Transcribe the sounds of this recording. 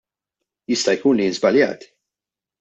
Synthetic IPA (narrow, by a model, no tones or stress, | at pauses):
jɪst̪ɐjkuːnlijnzbɐljɐ̰ːt̪i̥